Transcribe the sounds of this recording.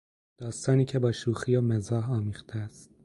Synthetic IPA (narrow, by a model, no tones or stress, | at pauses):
d̪̥ɒːst̪ɒːniːcʰebɒːʃuːxijɒːmezɒːɦɒːmiːχt̪ʰeæst̪̚